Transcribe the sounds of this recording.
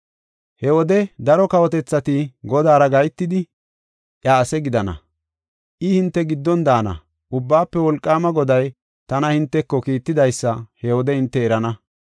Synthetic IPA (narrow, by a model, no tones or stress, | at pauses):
hɛwɔd̪ɛd̪ɐɾɔkɐwɔt̪ɛt͡sːɐt̪ɪɡɔd̪aːɾɐɡɐjt̪ːɪd̪ɪ | ʔjaːsɛɡɪd̪ɐnɐ̰ | ʔɪhɪnt̪ːɛɡɪd̪ːɔnd̪aːnɐ̰ | ʊbːaːpːɛwɔlkʼːaːmɐɡɔd̪ɐj | t̪ɐnɐhɪnt̪ːɛkːɔkiːt̪ːɪd̪ɐjsːɐhɛwɔd̪ɛhɪnt̪ːɛːɾɐnɐ